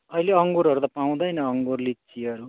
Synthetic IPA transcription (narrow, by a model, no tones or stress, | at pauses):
ʌileʌŋɡuɾɦʌɾut̪apaw̃d̪ʌjnʌːŋɡurlitt͡siʌɾu